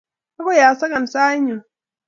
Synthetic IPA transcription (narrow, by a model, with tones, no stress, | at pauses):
ka˦ko˦˨jaː˨sɐ˦ɡɐ˨n˨saː˦ɲi˨